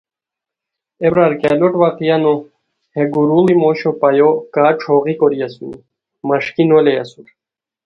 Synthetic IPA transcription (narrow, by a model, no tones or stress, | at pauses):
ebɾaɾkɛloʈwaqijano | heɡuɾulimoɕopajokaːʈ͡ʂʰoːʁikoɾijasuni | mɐʂkinolejasuɾ